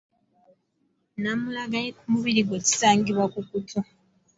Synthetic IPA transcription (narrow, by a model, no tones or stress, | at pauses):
namulaɡajekumuβiɾiɡweci̥saːŋɡiβwakukutʰo